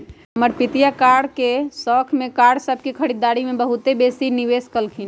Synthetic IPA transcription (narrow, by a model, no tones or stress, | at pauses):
ɦəməɾpit̪ijakaɽkesɔkʰmekaɽsəbʱkekʰəɾid̪ːaɾimebəɦut̪ebesiniʋeskəlkʰin